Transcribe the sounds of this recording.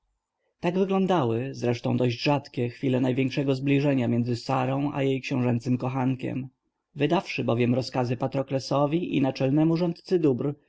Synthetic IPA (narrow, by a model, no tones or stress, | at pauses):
t̪aɡvɘɡlɔ̃nd̪awɘzɾɛʂt̪ɔ̃w̃d̪ɔʑd͡ʑʐat̪kʲɛxfʲilɛnajvʲjɛŋkʂɛɡɔzblʲiʐɛɲamjɛnd̪zɘsaɾɔ̃w̃ʔa̰jejkɕɛ̃w̃ʐɛnt̪sɘmkɔxaŋkʲɛ̰m | vɘd̪afʂɘbɔvʲjɛmɾɔskazɘpat̪ɾɔklɛsɔvʲiʔḭnat͡ʂɛlnɛmuʐɔnt̪t̪sɘd̪ubɾ